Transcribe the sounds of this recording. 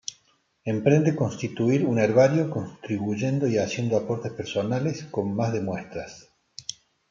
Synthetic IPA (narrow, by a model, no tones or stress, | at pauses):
empɾe̞nd̪eko̞nst̪it̪uiɾuneɾβaɾjo̞konst̪ɾiβuʒe̞nd̪o̞iasje̞nd̪oapo̞ɾt̪espeɾso̞nalesko̞nmazðemwe̞st̪ɾas